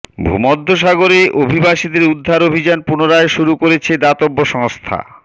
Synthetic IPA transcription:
bʱṵmɔd̪ʱːoʃaɡoɾeʔobʱibaʃid̪eɾud̪ʱːaɾobʱid͡ʑanpunoɾaeʃuɾukoɾet͡ɕʰed̪at̪obːoʃɔŋst̪ʰa̰

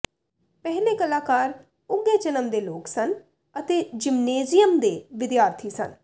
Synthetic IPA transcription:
pɛɦleːkəlaːkaːɾ | ʊɡːeːd͡ʒənəmd̪eːloːksən | ət̪eːd͡ʒɪmneːzɪjəmd̪eːʋɪd̪jaːɾt̪ʰiːsə̰n

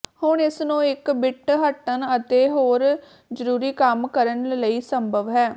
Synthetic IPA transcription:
hʊɳɪsnũːɪkbɪʈɦəʈːənət̪eːɦoːɾ | d͡ʒəɾuːɾiːkəmkəɾənləiːsəmbʱəʋɦɛː

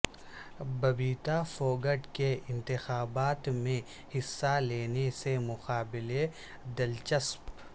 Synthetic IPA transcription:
bɐbiːt̪afoːɡəʈkeɪ̃nt̪ɪxaːbaːt̪mẽ | hɪsːaleːnesemʊqaːbɪle | d̪ɪlt͡ʃəsp

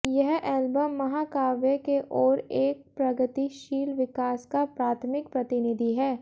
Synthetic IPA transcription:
jɛɦɛːlbəmːɐɦaːkaːʋjəkeʔɔːɾeːk̚pɾɐɡət̪iʃiːlʋɪkaːskapɾaːt̪ʰmɪkpɾɐt̪ɪnɪd̪ʱiɦɛː

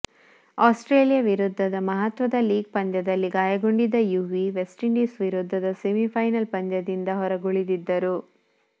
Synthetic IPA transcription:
aːsʈɾeːlijɐʋiɾud̪ʱːɐd̪ɐmɐɦɐt̪ʋɐd̪ɐliːɡ̚pɐnd̪jɐd̪ɐlːiɡaːjɐɡoɳɖid̪ɐjuːʋiʋesʈiɳɖisʋiɾud̪ʱːɐd̪ɐsemipʰɐjnɐlpɐnd̪jɐd̪ind̪ɐɦɔɾɐɡoɭid̪id̪ːɐɾu

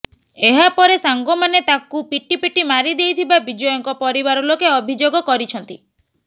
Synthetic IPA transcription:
eɦapɔɾesaŋɡɔmanet̪akupiʈipiʈimaɾid̪ejt̪ʰibabid͡ʒɔjɔŋkɔpɔɾibaɾɔlokeɔbʱid͡ʒoɡɔkɔɾit͡ʃʰɔnt̪i

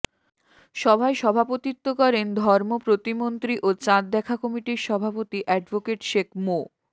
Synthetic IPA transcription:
ʃɔbʱaeʃɔbʱapot̪it̪ːokɔɾend̪ʱɔɾmopɾot̪imont̪ɾiʔot͡ɕãt̪̚d̪ɛkʰakɔmiʈiɾʃɔbʱapot̪iʔɛɖbokeʈʃekʰmo

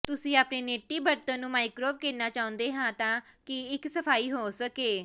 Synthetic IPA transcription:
t̪ʊsĩːaːpneːneːʈiːbəɾt̪ə̃ːnũːmaːɪkɾoːb̚kɪɾnaːt͡ʃaːʊ̃nd̪eːɦãːt̪ãːkɪɪksəpʰaːiːɦoːsəkeː

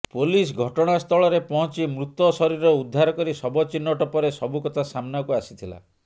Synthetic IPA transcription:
polis̬ɡʱɔʈɔɽ̃ast̪ʰɔɭɔɾepɔɦɔ̃t͡ʃimɾut̪ːɔsɔɾiɾɔud̪ʱːaɾɔkɔɾisɔbɔt͡ʃinːɔʈɔpɔɾesɔbukɔt̪ʰasamnɔkuasit̪ʰila̰

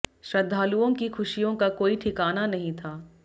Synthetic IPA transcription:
ʃɾɐd̪ʱːaːluõkixʰʊʃijõkakoːiʈʰɪkaːnanɐɦĩt̪ʰaː

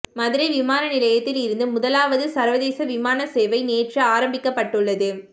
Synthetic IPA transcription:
mɐðɪɾɐɪʋɪmaːnɐnɪlɐjɐt̪ːɪlɪɾɯnd̪ɯmʊðɐlaːʋɐðɯsɐɾʋɐðeːsɐʋɪmaːnɐseːʋɐɪneːʈrɯaːɾɐmbɪkːɐpːɐʈːɯɭːɐðɯ

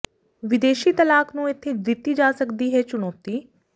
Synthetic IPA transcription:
ʋɪd̪eːʃiːt̪əlaːknũːɪt̪ʰːeːd̪ɪt̪ːiːd͡ʒaːsəkd̪iːɦɛːt͡ʃʊñɔːt̪iː

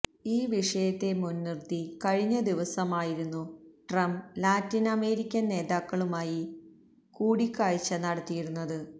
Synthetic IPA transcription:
iːʋiʂɐjɐt̪ːe̞munːirt̪ikɐɻiɲːɐd̪iʋɐsɐmaːjiɾunːuʈrɐmblaːtːinɐme̞ːɾikʲːɐnne̞ːðaːkːɐɭumaːji | kuːɽikːaːɻit͡ɕːɐnɐɽɐt̪ːijiɾunːɐðɨ

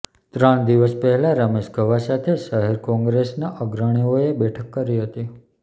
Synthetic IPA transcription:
t̪ɾəɳ̃d̪iʋəspəɦɛlãɾəmeʃɡʱəʋasat̪ʰeʃəɦeɾkɔ̃ŋɡɾesnaʔəɡɾəɽ̃ioebɛʈʰəkːəɾiɦət̪i

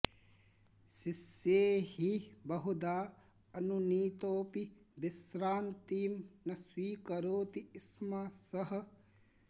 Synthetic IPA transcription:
siseːhibɐɦud̪aː | ɐnuniːt̪oːpibisɾaːnt̪iːmnɐswiːkɐɾoːt̪iːsmasɐɦɐ̆

